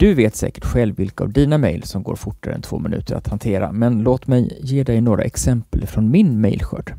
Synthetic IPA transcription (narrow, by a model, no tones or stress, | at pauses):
d̪̥ɵveːt̪sɛ̰ːkə̥ʈɧɛlvːɪlkaavd̪iːnamɛjlsɔmɡo̰ːɾfʊʈːaɾɛ̰nt̪ʰvo̰ːmɪnʉ̟ːt̪əɾa̰t̪hant̪ʰeːɾa̰mɛnloːt̪mɛjːeːd̪ɛjnoːɡɾʔa̰ʔɛksɛmpəlfɾɔnmɪnmɛjlɧœɖ